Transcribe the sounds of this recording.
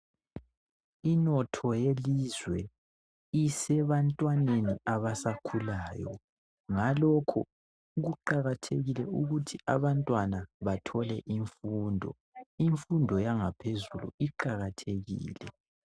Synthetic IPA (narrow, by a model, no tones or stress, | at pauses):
inɔtʰɔjelizwɛ | isɛβantʼwaneniaβasakʰulaːjɔ̰ | ŋalɔkʰɔ̰ | ɣuǃaɣatʰeɣilɛuɣutʰia̰βantʼwanaβatʰɔlɛʔiɱfuːndʱɔ̰ | iɱfundʱɔjaŋapʰezulṵiǃaɣatʰeɣḭːlɛ